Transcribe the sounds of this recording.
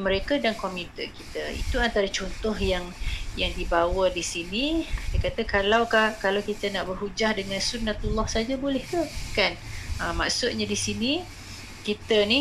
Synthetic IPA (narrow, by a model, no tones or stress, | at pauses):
məɾekadankɔmĩt̪əkit̪əḭt̪uant̪aɾat͡ʃɔnt̪ɔɦjaŋjaŋdibawədisinidajkat̪əkalawkahkalawkit̪ənaʔbərɦud͡ʒahdəŋãnsunːat̪ulːɔhsad͡ʒabolɛht̪ukanəmaʔsʊt̪̚ɲadisini | kit̪əni